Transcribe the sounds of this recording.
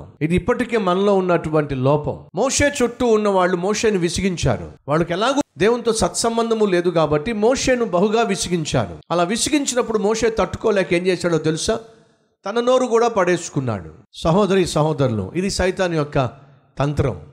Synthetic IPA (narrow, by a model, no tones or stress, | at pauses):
id̪iipːɐʈike̞ːmɐnɐlo̞ːunːɐʈuʋɐɳʈilɔːpɐ̰mmoːʂe̞ːt͡ʃoʈːuːnːɐʋaːɭːumoːʂe̞ːniʋisiɡiɲt͡ʃa̰ːɾṵʋaːɭːɐkɛlaːɡud̪eːwunt̪o̞ːsɐt̪sɐmbɐnd̪ʱɐmuleːd̪ukaːbɐʈːimoːʂe̞ːnubɐɦuɡaːʋisiɡiɲt͡ʃa̰ːɽṵɐlaːʋisiɡiɲt͡ʃinɐpːuɽumoːʂe̞ːt̪ɐʈːu̥koːlɛːkeːɲd͡ʒɛːsaːɽoːt̪̬elusaː | t̪ɐnɐno̞ːɾukuːɽaːpɐɽeːsu̥kunːa̰ːɽṵsɐɦɔːd̪ɐɾisɐɦɔːd̪ɐɾulṵʔid̪isɐjt̪aːnijɔkːɐ | t̪ɐnt̪ɾɐ̰m